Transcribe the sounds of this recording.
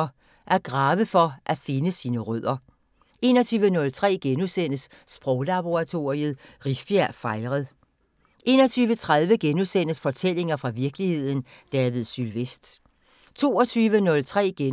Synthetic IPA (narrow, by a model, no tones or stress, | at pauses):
ʔæɐɡ̥ʁɑ̈ːʋəfɒ̽ʔæfe̝nəsiːnəʁœð̰ˠɐ | e̝nɒ̽t͡sʰyːʋənɔ̽lt͡sʰʁɛ̰ːɡ̥enusen̰əs | sb̥ʁɔʊlɑ̈b̥o̝ʁɑ̈t͡sʰo̝̰ʁiəð̩ˠʁisb̥jæɐ̰fɑ̈ɪʁəð̩ˠ | ʔe̝ːnɒ̽t͡sʰyːʋət͡sʰʁað̞ˠʋəɡ̥enusen̰əsfɒ̽t͡sʰel̰e̝ŋɐfʁɑ̈ʋiɐɡ̥lihe̝ð̰ˠn̩ | d̥ɛːʋiðˠsylʋesd̥ | t͡sʰo̝̰ːɒt͡sʰyːʋənɔ̽lt͡sʰʁɛ̰ːɡ̥e